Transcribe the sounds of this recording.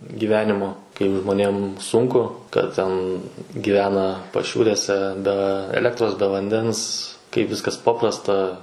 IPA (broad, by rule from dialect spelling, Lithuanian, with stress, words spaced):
ɡʲɪˈʋʲæːnʲɪmoː kɐɪp ʒmoːˈnʲeːm ˈsʊŋkʊ kɐt ˈtʲɛn ɡʲɪˈʋʲæːnɐ pɐˈʃʲuːrʲeːsʲɛ bʲɛ ˈæːlʲɛktroːs bʲɛ ʋɐnʲˈdʲɛns kɐɪp ˈʋʲɪskɐs ˈpɑːprɐstɐ